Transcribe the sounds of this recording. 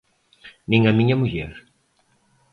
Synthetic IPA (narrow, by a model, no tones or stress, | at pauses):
nĩŋɐmĩɲɐmuʎɛɾ